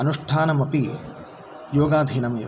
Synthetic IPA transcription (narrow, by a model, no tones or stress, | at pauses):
ɐnuʂʈʰaːnɐmɐpi | joːɡaːd̪ʱinɐmɐj̰